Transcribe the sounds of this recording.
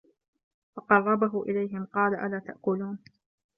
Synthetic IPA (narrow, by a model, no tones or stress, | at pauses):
fɑqɑrˤːɑbaɦʊʔɪlajɦɪmqɑːlaʔalaːt̪aʔkʊluːn